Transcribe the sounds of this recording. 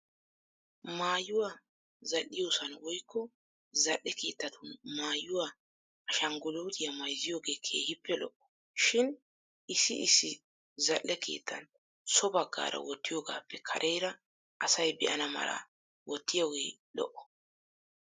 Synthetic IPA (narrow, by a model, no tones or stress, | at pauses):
maːjːʊwaː | zɐlːɪjoːsɐnwɔjkːɔ | zɐʔːɛke̞ːt̪ːɐt̪ʰʊnmaːjːʊwaː | ɐʃɐŋɡʊloːt̪ɪjɐmɐjzɪjoːɡeːkʰe̞̰ːhɪpʰːɛlɔʔɔ̥ | ʃɪn | ɪsːɪɪsːɪ | zɐʔːɛkʰe̞̰ːt̪ʰːɐn | sɔbɐɡːa̰ːɾɐ̰wɔt̪ːɪjoːɡa̰ːpːɛkʰɐ̰ɾʔɛjɾɐ | ʔɐsɐjbɛ̰ʔɐnɐmɐ̰lɐ̰ | wɔt̪ːɪjoːɡḛː | lɔ̰ʔːɔ̥